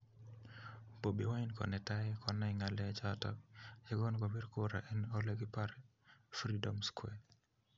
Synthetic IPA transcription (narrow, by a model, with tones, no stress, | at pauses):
po˨bi˨wa˦i˦nkɔ̰˨nɛ˨ta˦ɛkʰɔ˨nɛ˦ŋa˨lɛ˦t͡ʃatɔ˦kja˦ɡɔ˦nɡɔ˨wi˦ɾko˦ɾa̰˨ʔɛ˦nɔ˦leɡi˦pa˦ɾ | fɾi˦dɔ˨mskwɛ˨